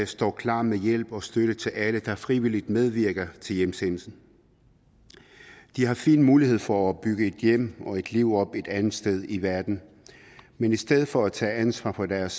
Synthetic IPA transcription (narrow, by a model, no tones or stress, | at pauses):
sd̥ɒ̰ːkʰlɑ̰̈ːmejel̰b̥ɒ̽sd̥øɾ̥ət͡sʰe̝læləd̥ɑ̈fʁiʋilid̥með̞ˠʋiɐɡ̥ɐt͡sʰe̝ljemsenl̩sn̩ | d̥ihɑ̈fḭːnmuːlihe̝ð̞̰ˠfɒ̽æɒ̽b̥ːyɡ̥əe̝d̥jem̰ɒ̽e̝d̥liʊ̰ɒ̽b̥e̝d̥ænð̩ˠsd̥eð̞ˠiʋæɐd̥n̩ | menisd̥eð̞ˠfɒ̽æt͡sʰɛ̰ːænsʋɑ̰̈ːpʰɒ̽d̥æɐs